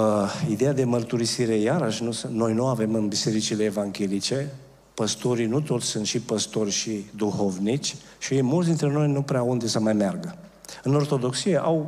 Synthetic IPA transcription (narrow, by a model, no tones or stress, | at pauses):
id̪e̞jad̪e̞mərt̪uɾisiɾe̞jaɾəʃnusno̞jnuave̞mɨnbise̞ɾit͡ʃileːvaŋɡʲe̞lit͡ʃe̞ | pəst̪o̞ɾinut̪o̞t̪sʲsɨnt̪ʃipəst̪o̞rʲʃid̪uho̞vnit͡ʃʲ | ʃimult̪s̬d̪int̪ɾe̞no̞jnupɾeaund̪esəmajmearɡə | ɨno̞rt̪o̞d̪o̞ksijeʔaw